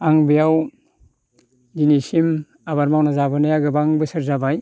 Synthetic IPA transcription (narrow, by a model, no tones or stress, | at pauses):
aŋbijaw | dinisim | abaɾmawnazabɯnajaɡɯbaŋbɯsɯɾzabaj